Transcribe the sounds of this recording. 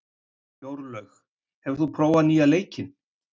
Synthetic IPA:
joːwɾlœx | hɛvɾ̥θupʰɾoːwaniːaleːjcɪn

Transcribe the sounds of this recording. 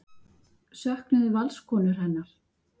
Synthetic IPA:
sœhknʏðvalskʰɔːnʏɾ̥hɛnːaɾ̥

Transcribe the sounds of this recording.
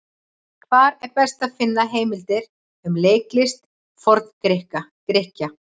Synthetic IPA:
kʰvaːɾɛɾpɛst̪aðfɪnːaɦeːjmɪlt̪ɪɾ̥ | ʏmleːjklɪst̪ | fɔɾt̪nkɾɪhkakɾɪhca

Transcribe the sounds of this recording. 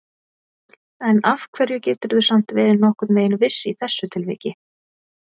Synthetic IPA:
ɛnafkʰv̥ɛɾjʏcɛːt̪ʏɾðʏsam̥t̪vɛːɾɪnɔhkʏt̪nveːjɪnvɪsːɪiθɛsːʏt̪ʰɪlvɪ̰ːcɪ

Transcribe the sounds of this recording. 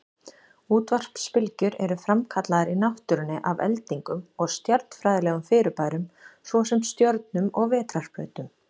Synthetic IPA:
uːt̪var̥pspɪlcʏɾɛɾʏfɾamkʰat̪laðɪɾinawht̪ʏɾɪnːɪʔavɛ̰lt̪iŋkʏmɔɣst̪jaɾt̪n̥fɾajðɪlɛɣʏmfɪːɾɪpaːjɾʏmsvɔsɛmst̪jɔɾt̪̚nʏmɔɣvɛːt̪ɾar̥pœ̰ːt̪ʏm

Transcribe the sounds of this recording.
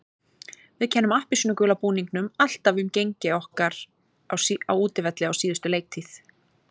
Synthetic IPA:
vɪðcʰɛnːʏmahpɪsnʏkʏːlapuːniŋknʏmal̥t̪avʏmcejɲcɪɔhkaɾ | awawuːt̪ɪvɛt̪lɪawsiːðʏst̪ʏleːjk̚t̪ʰiθ

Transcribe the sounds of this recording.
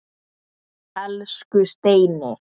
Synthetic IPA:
ɛlskʏst̪eːjnɪ

